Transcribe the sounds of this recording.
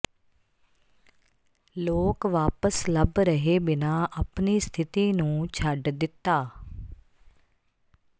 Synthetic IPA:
loːkʋaːpəsləbɾəɦeːbɪnaːʔəpniːst̪ʰɪt̪iːnũːt͡ʃʰəɖd̪ɪt̪ːaː

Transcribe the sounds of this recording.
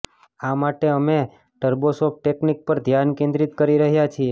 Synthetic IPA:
amaʈeəme | ʈəɾbosop̚ʈeknik̚pəɾd̪ʱjankẽnd̪ɾit̪kəɾiɾəɦjat͡ʃʰie

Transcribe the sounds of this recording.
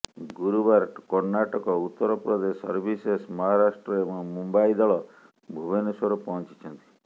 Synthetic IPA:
ɡuɾubaɾkɔɾnaʈɔkɔut̪ːɔɾɔpɾɔd̪esɔ̰ɾbʱisesmɔɦaɾasʈɾɔebɔmumbaid̪ɔɭɔ | bʱubenesɔɾupɔɦɔ̃nt͡ʃi̥t͡ʃʰɔnt̪i̥

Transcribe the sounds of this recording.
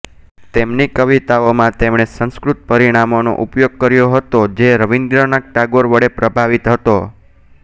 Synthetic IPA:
t̪emnikəʋit̪aomãt̪emɳ̃esə̃nskɾut̪̚pəɾiɽ̃amono̰ʔupjoɡ̚kəɾjoɦət̪od͡ʒeɾəʋind̪ɾənak̚ʈaɡoɾʋəɽepɾəbʱaʋit̪ɦət̪o

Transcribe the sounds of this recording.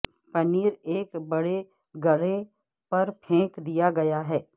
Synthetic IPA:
pɐniːɾeːkbɐɽe | ɡɐɽe | pɐɾpʰẽːkd̪ijaɡɐjaɦɛː

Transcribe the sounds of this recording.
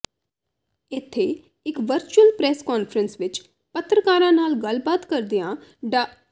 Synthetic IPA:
ɪt̪ʰːeː | ɪkʋəɾt͡ʃuəlpɾɛːskaːnfʰɾənsʋɪt͡ʃ | pət̪ːɾəkaːɾãːnaːlɡəlbaːt̪kəɾd̪ijãːɖa

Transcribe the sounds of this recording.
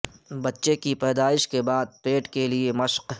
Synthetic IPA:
bɐtːʃekipɛːd̪aːɪʃkebaːd̪̚peːʈkeliemɐʃq

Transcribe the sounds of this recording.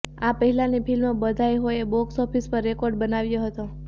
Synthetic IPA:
apəɦilanipʰilmabəd̪ʱajɦojebɔksɔpʰispəɾːekɔɾɖbənaʋjoɦət̪o

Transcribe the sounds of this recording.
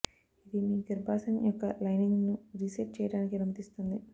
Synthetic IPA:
id̪imiːɡiɾbʱaːsɐnjɔkːɐlɐjniŋɡnuɾiseʈ̚t͡ʃɛːjɐɽaːnik̬inɐmɐt̪ist̪und̪i

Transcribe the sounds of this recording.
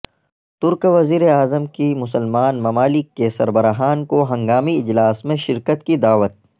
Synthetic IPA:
t̪ʊɾkʋɐziːɾeaːzəmkimʊsəlmaːnmɐmaːlɪkːesɐɾbɐɾaɦaːnkoɦɐ̃ŋɡaːmiɪd͡ʒlaːsmẽʃɪɾkət̪kid̪aːʋət̪̚

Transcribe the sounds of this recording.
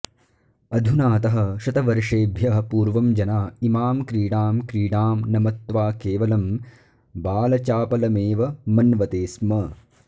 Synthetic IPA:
ɐd̪ʱunaːt̪ɐɦɐ̆ʃɐt̪ɐʋɐɾʂeːbʱjɐɦɐpuːɾʋɐmd͡ʒɐnaːimaːmkɾiːɽaːmkɾiːɽaːmnɐmɐt̪ʋaːkeːʋɐlɐm | baːlɐt͡ʃaːpɐlɐmeːʋɐmɐnʋɐt̪eːsmɐ

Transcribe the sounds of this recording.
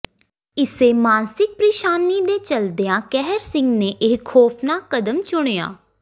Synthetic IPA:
ɪseːmaːnsɪk̚pɾiːʃaːnːiːd̪eːt͡ʃəld̪eãːkɛɦɾsɪ̃ŋɡneːʔɪːkʰːɔːpʰnaːkəd̪əmt͡ʃʊɽ̃eːa̰ː

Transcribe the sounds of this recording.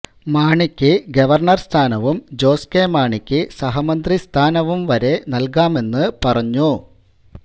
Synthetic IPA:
maːɳikʲːɨɡɐʋɐrɳɐrst̪ʰaːnɐʋumd͡ʑo̞ːskeːmaːɳikʲːɨsɐɦɐmɐnd̪rist̪ʰaːnɐʋumʋɐɾe̞nɐlkaːme̞nːɨpɐrɐɲːu

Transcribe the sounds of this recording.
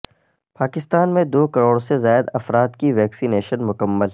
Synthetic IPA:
paːkɪst̪aːnmẽd̪oːkɐɾoːɽsezaːjɪd̪ɐfɾaːt̪kiʋɛːksineːʃənmʊkəmːəl

